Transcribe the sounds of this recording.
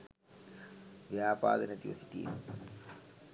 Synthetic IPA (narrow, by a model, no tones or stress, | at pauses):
ʋjaːpa̰ːd̪ənet̪iʋɐsi̥t̪ḭn